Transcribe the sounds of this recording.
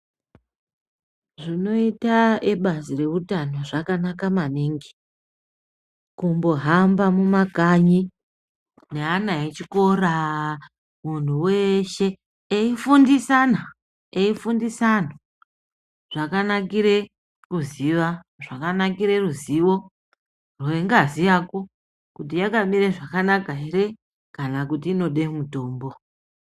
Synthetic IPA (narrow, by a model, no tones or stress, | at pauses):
ʐino̞itaeɓazire̞ʋutano̞ʐakanakamaneŋɡe̥ | kumbo̞ɦambamumaɡʱaɲi | ne̞anaɦet͡ʃiko̞ra | mun̤uweʃe̞ | eifundisana | eifundisana | ʐ̥akanakiɾe̞ | kuziʋa | ʐakanakiɾe̞ruziwo̞ | rwoeŋɡazijako̞ | kut̬ijakamiɾeʐakanakaɦere | kanakutiːno̞ɗemuto̞ːmbo̞